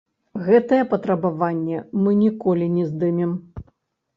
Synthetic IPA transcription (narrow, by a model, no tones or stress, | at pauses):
ɣɛt̪ɐjɛpɐt̪ɾɐbavanʲːɛmɨnʲikɔlʲinʲɛzd̪ɨmʲɛm